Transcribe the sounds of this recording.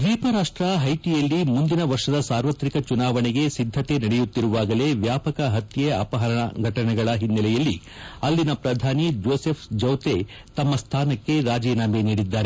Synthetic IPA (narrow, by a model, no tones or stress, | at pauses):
d̪ʋiːpɐɾaːʂʈɾɐɦɐjʈijɐlːimund̪inɐʋɐɾʂɐd̪ɐsaːɾʋɐt̪ɾikɐt͡ʃunaːʋɐnɛɡe̞sid̪ʱːɐt̪e̞nɐɽɛjut̪ːiɾuʋaːɡɐle̞ʋjaːpɐkɐɦɐt̪jeɐpɐɦɐɾɐɳɐɡʱɐʈɐɳɛɡɐɭɐɦinːɐlɛjɐlːi | ɐlːinɐpɾɐd̪ʱaːnid͡ʒoːsepʰd͡ʒɐwt̪e | t̪ɐmːɐst̪ʰaːnɐkːe̞ɾaːd͡ʒɛːnaːmeniːɽid̪ːaːɾe